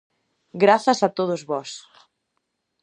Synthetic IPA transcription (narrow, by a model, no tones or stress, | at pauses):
ɡɾaθɐsat̪oð̞ozβɔs